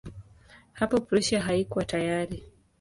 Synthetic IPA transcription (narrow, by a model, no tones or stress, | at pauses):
hapɔpɾiʃaɦaikwatajaɾi